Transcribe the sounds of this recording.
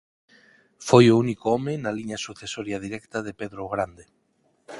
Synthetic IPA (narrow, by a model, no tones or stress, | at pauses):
fojounikoɔmenaliɲasuθesoɾjaðiɾɛkt̪aðepeðɾoɣɾand̪e